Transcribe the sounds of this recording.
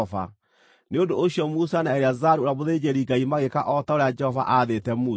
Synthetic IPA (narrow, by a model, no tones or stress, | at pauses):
va̰ | neondoːɕjɔmusanaɛɾeazaɾuoɾamoðed͡ʑeɾiŋɡaimaɣekaʔɔtaoɾead͡ʒɛhɔva̰ʔaðetɛmu